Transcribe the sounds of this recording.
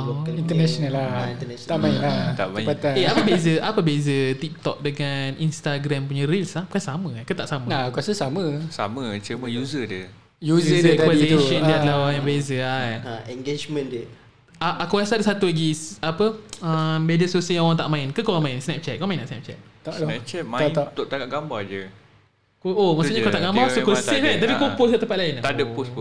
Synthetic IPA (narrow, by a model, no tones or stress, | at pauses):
oint̪ənɛsonalainənt̪aʔmainat̪a̰ʔmãjat̪aeapəbezəʔapəbezət̪ip̚t̪ɔk̚dəŋaninst̪aɡɾampuɲəɾilsahkuassaməakət̪aʔsaməakuasəsaməsa̰mət͡ʃəməjuzədə | juzəətk̪aɛikʃəndəadəlahoɣɾãŋjãŋbezəajɛŋɡed͡ʒməndə | aʔakuasadəsat̪ulaɡiapəəbedəsousijaŋoɣaŋt̪a̰ʔmãɪnkəkoɾaŋmaɪnsnɛp̚t͡ʃɛt̪̚koamaɪnaʔsnɛp̚t͡ʃɛ̰t̪̚t̪aʔnɛp̚t͡ʃɛt̪̚mat̪oʔt̪aŋaʔɡambad͡ʒə | koomasuʔɲəkat̪aʔɡambasokosiʔ̚ant̪apikopʊs̬kət̪əmpat̪̚laɪnt̪adəposp